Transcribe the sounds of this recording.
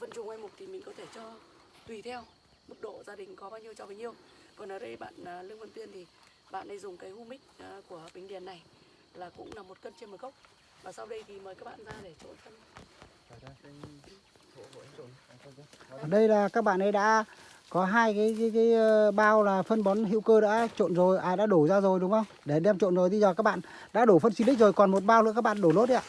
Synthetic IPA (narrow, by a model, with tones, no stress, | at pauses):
və̰˧˨nt͡ɕʊ˨˩ŋʔwa˧jmʊ˨˩k͡p̚t̪ʰi˨˩mï˨˩ŋ̟kɔ˨˦t̪ʰe˧˩t͡ɕɔ˧ | t̪wi˧˩t̪ʰɛ˧w | mɨ˦˥k̚ɗo̰˧˨zaː˧ɗï˨˩ŋ̟kɔ˨˦ɓaː˧wɲi˧əwt͡ɕɔ˧ɓa˨˧˦ɲi˧əw | kɔ˨˩nʔəː˨˩ɗə˧jɓa̰ː˧˨nː˨˩lɨ˧əŋvə˧nt̪wi˧ənt̪ʰi˨˩ | ɓa̰ː˧˨nɗə˧jzʊ˨˩ŋ͡mkaː˨˦jhu˧mï˦˥k̚ːku˧˩əɓï˨˩ŋɗi˨˩ənːa˨˩j | laː˨˩kʊ̰˧˥ŋ͡mna˨˩mːo˨˩t̚kə˧nt͡ɕe˧nmə˨˩jkə˦˥wk͡p̚ | vaː˨˩sa˧wɗə˧jɣi˨˩məː˨˩jkaː˦˥k̚ɓa̰˧˨nzaː˧ɗe˧˩t͡ɕo̰˧˨ntʰə˧n˨˩ | ɗə˧jlaː˨˩kaː˦˥k̚ɓa̰ː˧˨nɗə˧jɗa̰ː˧˥ | kɔ˨˦ɦaː˧jkaː˨˦jka˨˦kaː˨˦jɓaː˧wlaː˨˩fə˧nɓɔ˨˦nɦḭ˧˥wkəː˧ɗa̰ː˧˥t͡ɕo̰˧˨nzo˨˩jʔaː˨˩jɗa̰ː˧˥ɗo˧˩zaː˧zo˨˩jɗʊ˨˦ŋ͡mʔə˧wŋ͡mɗe˧˩ɗɛ˧mt͡ɕo̰˧˨nzo˨˩jt̪ʰi˧zɔ˨˩kaː˦˥k̚ɓa̰ː˧˨ | ɗa̰ː˧˥ɗo˧˩fə˧nswi˧˦ï˦˥zo˨˩jkɔ˨˩nmo˨˩t̚ɓaː˧wl̰ːkaː˦˥kɓa̰ː˧˨ɗo˧˩lo˦˥t̚a̰ː˧˨